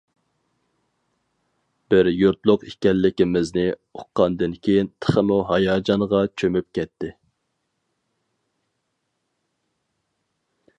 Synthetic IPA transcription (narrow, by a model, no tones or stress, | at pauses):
b̥ɪɾjuɾt̪lˠʊqikʲɛlːɪkʲɪmɪznɪoqʰːɑnd̪ɪnkʲʰejint̪ʰə̥χəmuɦɑjɑːd͡ʒɑŋʁɑt͡ʃʰømyp̚kʲʰɛt̪ʰːɪ